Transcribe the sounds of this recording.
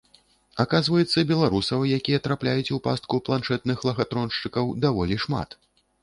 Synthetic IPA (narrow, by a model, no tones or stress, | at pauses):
akazvɐjɛt̪sːɐbʲɛlˠaɾusɐwjakʲijɐt̪ɾaplʲajut͡sʲupa̰st̪̚kuplˠanʂɛt̪nɨxlˠɐɣat̪ɾɔnʂt͡ʂɨkɐwd̪avɔlʲiʂma̰t̪